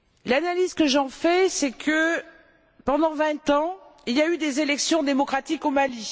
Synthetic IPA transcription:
lanalizkəʒɑ̃fɛsɛkʰə | pɑ̃d̪ɑ̃vɛ̃t̪ɑ̃iljayd̪ezelɛksjɔ̃d̪emɔkχat̪ikomali

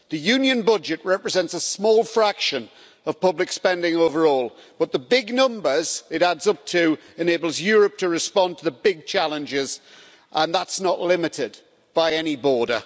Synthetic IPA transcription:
ðəjʉ̃njə̃nbʊd͡ʒɨʔɹɛpɹɨzɛ̃ntsəsmɔːlˠfɹakʃə̃n | əv̥pʌblɪkspɛ̃ndɪ̃ŋoʊvəɹɔːlˠb̥ʌt̪̚ðəbɪɡnʌ̃mbə˞z̥ɪɾadzʌp̚tʰɨ | ɪ̃neɪbəl̩ˠzjɔːɹəp̚tʰəɹɪspɑ̃ntʰəðəbɪɡ̚t͡ʃʰalˠə̃nd͡ʒɪz | ʔə̃nðətsnəʔlɪmɪtɪd | b̥aɪɛnibɔːɾə

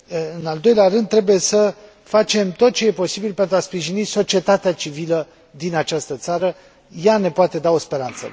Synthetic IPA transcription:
ɨnald̪o̞jleaɾɨnd̪̚t̪ːɾe̞buje̞sə | fat͡ʃe̞mt̪o̞t̪̚t͡ʃe̞je̞po̞sibilpe̞nt̪ɾwaspɾiʒiniso̞t͡ʃie̞t̪at̪eat͡ʃivilə | d̪inat͡ʃast̪ət̪saɾə | jane̞poat̪e̞d̪ao̞spe̞ɾant̪sə̰

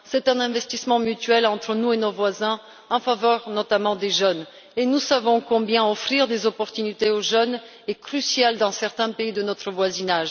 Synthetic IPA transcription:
sɛt̪ɛ̃nɛ̃vɛst̪ismɑ̃myt̪ɥɛlɑ̃t̪χənuenovwazɛ̃ | ɑ̃favœʁnɔt̪amɑ̃d̪eʒœn | enusavɔ̃kɔ̃bjɛ̃ɔfχiʁd̪ezɔpɔʁt̪ynit̪eoʒœn | ekχysjald̪ɑ̃sɛʁt̪ɛ̃peid̪ənɔt̪χəvwazinaʒ

